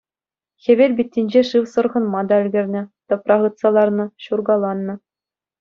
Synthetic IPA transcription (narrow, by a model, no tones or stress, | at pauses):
xʲĕbʲelʲbʲit̪̚ʲːinʲd͡ʑeʂɯwsɤ̆rʁɤ̆nmɑd̪ɑɘ̆lʲɡʲɘ̆rʲnʲɘ̆t̪ɤ̆prɑʁɯ̆t̪sɑlˠɑrnɤ̆ɕurɡɑlˠɑnːɤ̆